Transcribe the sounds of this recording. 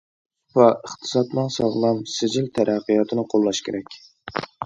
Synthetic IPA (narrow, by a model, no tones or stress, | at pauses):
pɑʔəχt̪ʰɨ̥sɑt̪mɨŋsɑʁlˠɑmsɪd͡ʒɪlt̪ʰæɾæqːijɑt̪ʰɨnɨqʰolˠːɑʃkʲʰeɾɛkʲ